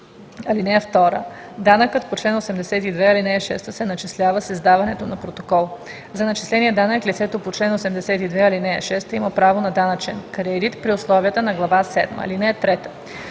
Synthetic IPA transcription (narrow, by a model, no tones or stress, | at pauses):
ɐlinɛɛft̪ɔɾə̰ | d̪anəkət̪pot͡ʃlɛnosɛmd̪ɛsɛt̪id̪vɛɐlinɛːʃɛst̪əsɛnɐt͡ʃislʲavəsɐzd̪avɐnɛt̪onɐpɾot̪o̥kɔlˠ | zɐnɐt͡ʃi̥slɛniɛd̪anəklʲit̪sɛt̪opot͡ʃlɛnosɛmd̪ɛsɛt̪id̪vɛɐlinɛɛ̰ʃɛst̪əimɐpɾavonɐd̪anɐt͡ʃɛnkɐɾɛːɾit̪pɾioslˠɔviət̪ənɐɡlˠɐvasɛ̰d̪mɐ̰linɛɛt̪ɾɛt̪ə̥